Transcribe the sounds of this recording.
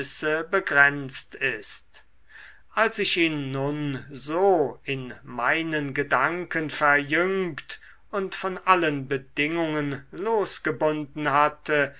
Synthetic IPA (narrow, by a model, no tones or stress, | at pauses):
səbəɡʁɛnt͡stɪst | ʔalsɪʃiːnːʊnzoːɪnmaɪnənɡədaŋkənfɛɐjʏŋkt | ʊntfɔnʔalənbədɪŋʊŋənloːsɡ̥əbʊndn̩hatʰə